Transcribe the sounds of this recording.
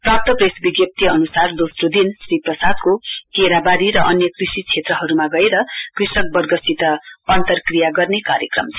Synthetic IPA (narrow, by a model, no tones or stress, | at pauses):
prap̚t̪ʌpresbiɡjʌp̚t̪iʌnusard̪osrod̪insriprʌsad̪̚kokeɾabaɾiɾʌʔʌnjʌkrisit͡sʰet̪rʌɦʌɾumaɡʌeɾʌkrisʌk̚bʌrɡʌsit̪ʌʌnt̪ʌrkrijaɡʌrnekaɾjʌkrʌ̰mt͡sʰ